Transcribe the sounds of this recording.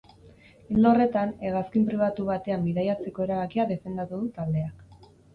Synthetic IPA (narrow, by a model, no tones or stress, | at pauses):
ild̪o̞re̞t̪ane̞ɣaskimpɾiβ̞at̪uβ̞at̪e̞ambiðajat͡se̞ko̞e̞ɾaβakiaðe̞fe̞nd̪at̪uðut̪ald̪e̞ak